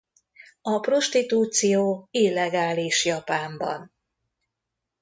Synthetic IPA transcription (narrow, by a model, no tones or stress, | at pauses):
ɒpro̞ʃt̪it̪uːt̪sijoːilːɛɡaːliʃjɒpaːmbɒ̰n